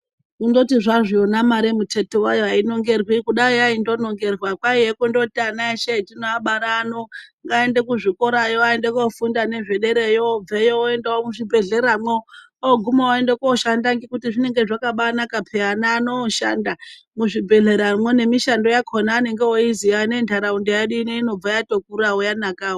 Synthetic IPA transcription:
kundo̞tiʐaʐionamaɾemutʰetowajoaino̞ŋɡe̞rwikuɗaojaindo̞no̞ŋɡe̞rwakwaijekundo̞tianaeʃetinoaɓaɾanoŋɡaendekuʐiko̞ɾajoaendekofundane̞ʐe̞ɗe̞ɾejob͡vejooendeomuʐibʱe̞ɮe̞ɾamwe | oɡʱumaaendekoʃandaŋɡikutiʐine̞ŋɡeʐakaɓanakapʰeanaːnoʃa̰nda | muʐibʱe̞ɮe̞ɾamwene̞miʃando̞jakʰonaːne̞ŋɡewoiziane̞ntʰaɾaundejeɗineino̞b͡vajatok̚uɾawojanakaːwo

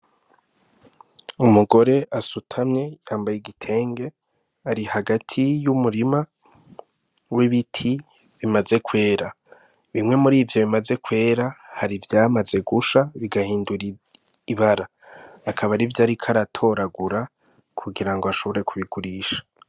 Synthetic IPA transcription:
umuɡo̞ɾe̞ʔasutʰamɲe̞jaːmbajeɡitʰe̞ːŋɡe̞ | aɾihaɡatʰijumuɾima | wiβitʰi | βimaze̞kwe̞ːɾa | βimŋe̞muɾiːvjo̞βimaze̞kwe̞ːɾahaɾivjaːmaze̞ɡuʃaβiɡahiːnduɾi | iβaɾaː | kʰaβaɾivjaːɾikʰaɾatʰo̞ɾaɡuɾa | kʰuɡiɾaŋɡo̞aʃo̞βo̞ɾe̞kuβiɡuɾiːʃḁ

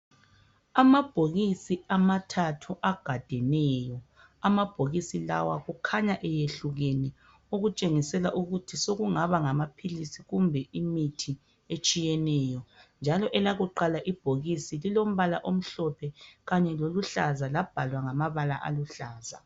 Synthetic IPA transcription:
amab̥ʱoɣisiamatʰatʰuʔaɡ̥ʱad̥ʱɛnɛːjɔ | amab̥ʱoɣisila̰waɣukʰaɲaʔɛjeɬuɣeni | oɣut͡ʃʼeŋisɛlaʔuɣutʰisoɣuŋaβaŋamapʰilisiɣumbʱɛʔimitʰi | et͡ʃʼijɛnɛːjɔnd͡ʒʱalɔʔɛlaɣuǃalaʔib̥ʱoɣisililom̩βala̰ʔom̩ɬɔpʰɛɣaɲɛloluɬazalab̥ʱalwaŋamaβalaʔa̰luɬaːza̰

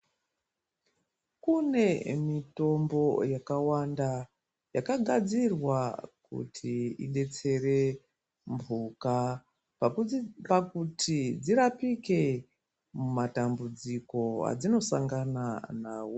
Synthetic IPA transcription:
kune̞mito̞mbo̞jakawanda | jakaɡʱad͡zirwakṵtʰiine̞t͡se̞re̞ | mbuːka | pakutʰid͡ziɾapike̞ | mumatambud͡ziko̞a̰d͡zino̞saŋɡananaːwo

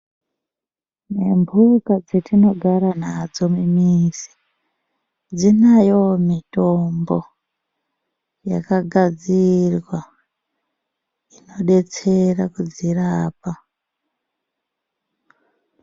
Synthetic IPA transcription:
ne̞mbʱukad͡zetino̞ɡʱaɾanad͡zo̞mimisi̥ | d͡zinajo̞mito̞mbo̞̰ | ja̰kaɡʱad͡zirwa | ino̞ɗe̞t͡se̞rakud͡ziraːpa

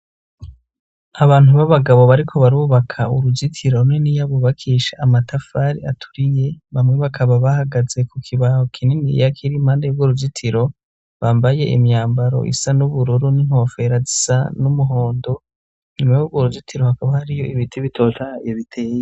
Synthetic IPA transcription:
aβaːnhuβaβaɡaβo̞βaɾikʰo̞βaɾuːβakʰauɾud͡ʒitʰiɾo̞nenijaβoβakʰiʃaʔːmatafaɾḭatʰu̥ɾije̞βamŋe̞βakʰaβaβahaɡaze̞kukʰiβahokʰininḭjakʰiɾimaːndeubɡoɾud͡ʒitʰiɾo̞ | βaːmbaje̞ʔḭmjaːmbaɾo̞̰ʔḭsanuβuɾuɾuniŋ̥ho̞ːfe̞ɾazisa̰numuɦo̞ːndo̞ | ɲimajubɡoɾuɟitʰiɾohakaβahaɾijo̞ʔiβitʰiβitʰo̞ːtʰaeβitʰeːje

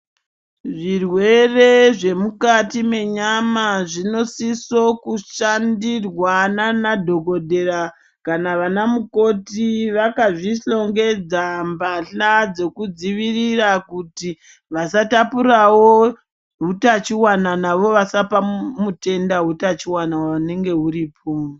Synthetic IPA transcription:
ʐirwe̞re̞ʐe̞mukatime̞ɲamaʐino̞siso̞kuʃandirwananadʱo̞ko̞dʱe̞ɾa | kanaʋanamuko̞tiʋakaʐiɬo̞ŋɡe̞d͡zambaɬad͡ze̞kud͡ziʋirirakuti | ʋasatapurawo | ɦutat͡ʃiwananaʋo̞ʋasapamute̞ndaɦutat͡ʃiwanawane̞ŋɡe̞ɦuɾiːpʰo

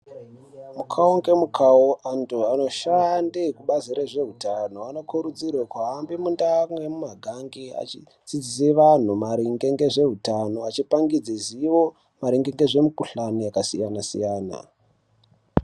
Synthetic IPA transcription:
mukʰaoŋɡe̞mukʰaoʔantuano̞ʃandekuɓaziɾeʐe̞ɦutano̞ano̞kuɾud͡zirakaɦambimundamwe̞mumaɡʱaŋɡia̰t͡ʃi | d͡zid͡ziseʋan̤umaɾiŋɡe̞ŋɡe̞ʐe̞ɦutano̞at͡ʃipaŋɡid͡zeziʋo | maɾiŋɡeŋɡe̞ʐe̞mikuɬanojakasijanasḭjaːna̰

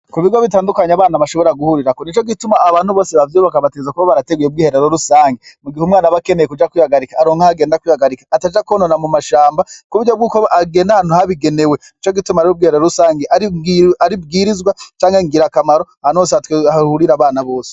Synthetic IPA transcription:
kuβiɡoβitaːndukaɲaβaːnaβaʃo̞βo̞ɾaɡuhuɾiɾakonit͡ʃo̞ɡitumaːβaːnhuβo̞ːseβavjuːβakaβatezakuβaβaɾate̞ɡujeubɡiːhe̞ɾe̞ɾo̞ɾusaːŋɡemuɡihumŋaːnaβakene̞jekud͡ʒakwiːhaɡaɾikaɾo̞ːŋhahaɡe̞ːndakwiːhaɡaɾikḁːtad͡ʒakononamumaʃaːmbakuβuɟo̞b̚ɡuːkoaɡe̞ːndahaːn̥uhaβiɡe̞ne̞we̞nit͡ʃo̞ɡitumaɾiob̚ɡiːheɾeɾoɾusaːŋɡeʔaaɾib̚ɡiɾizɡwat͡ʃaːŋɡeŋɡiɾakamaɾo̞ahaːnuosehatweahuɾiɾaβaːnaβo̞ːse̥

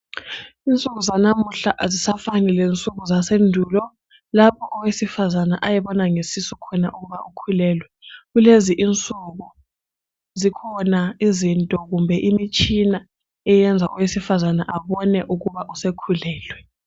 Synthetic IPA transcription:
int͡sʼuk̬uzanamuɬaʔzisafanilent͡sʼuk̬uzasendʱuːlɔ | lapʰɔʔɔwesifazanaʔajɛɓɔnaŋesisukʰɔna̰ʔuk̬uβaʔukʰulɛːlwɛɣuleziʔint͡sʼuk̬u | zikʰɔnaizintʼɔɣ̬umbʱɛʔimit͡ʃʼʰina | ɛjɛnd͡zʱaʔuwesifazanaʔaɓɔnɛʔuk̬uβaʔusekʰulɛːlwɛ

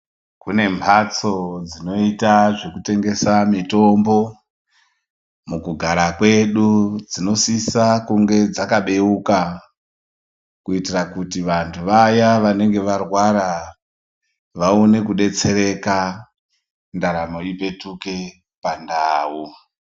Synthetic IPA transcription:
kune̞mbʰʱat͡so̞d͡zino̞itaʐe̞kute̞ŋɡe̞samito̞mbo̞ | mukuɡʱaɾakwe̞ɗud͡zino̞sisakuŋɡe̞d͡zakaɓe̞uka | kuitirakutiʋantʰuʋajaʋane̞ŋɡe̞ʋarwaɾa | ʋaone̞kuɗe̞t͡se̞ɾe̞ka | ndaɾamo̞ipe̞tuke̞ | pandaːwu

